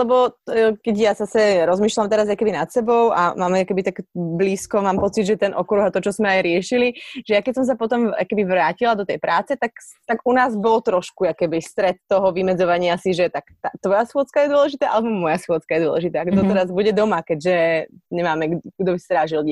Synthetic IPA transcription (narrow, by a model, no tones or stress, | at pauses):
lɛbɔkɛɟjazasɛɾɔzmiːʃlamt̪ɛɾazajkɛbinat̪sɛbɔʊa̰maːmakɛbit̪aɡbliːskɔmaːmpɔt͡sid̪ʒɛt̪ɛnʔɔkɾuɦat̪ɔt͡ʃɔzmɛajɾɪɛʃiliʒ̥ɛjakɛcsɔms̬apɔt̪ɔma̰kɛbiʋɾaːcilad̪ɔt̪ɛjpɾʔaːt͡sɛt̪akt̪aɡunaːzbɔlt̪ɾɔʃkuakɛbist̪ɾɛt̪ːɔɦɔʋimɛd͡zɔʋaɲɪasiʒɛt̪akt̪at̪ʋɔjasxʊɔt͡skajɛd̪ʊɔlɛʒit̪aːʔa̰lɛbɔmɔjasxʊɔt͡skajɛd̪ʊɔ̰lˠɛʒit̪aːaɡd̪ɔt̪ɛɾazbuɟɛd̪ɔmakɛɟʒɛɲɛmaːmɛɡɡd̪ɔbist̪ɾaːʒil